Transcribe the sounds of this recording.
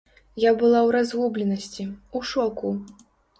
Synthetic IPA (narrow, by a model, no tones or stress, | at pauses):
jabɨlˠawɾazɣublʲɛnɐsʲt͡sʲiuʂɔku